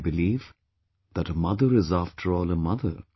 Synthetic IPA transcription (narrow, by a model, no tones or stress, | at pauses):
bɨliːv | ðæʈəmʌðəɾɪzæfʈʰəɹɔːləmʌðə̰